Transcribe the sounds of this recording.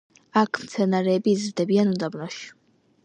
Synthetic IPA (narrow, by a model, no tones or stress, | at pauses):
akʰmt̪sʰɛnaɾɛːbiːzɾd̪ɛbianund̪abnɔʃ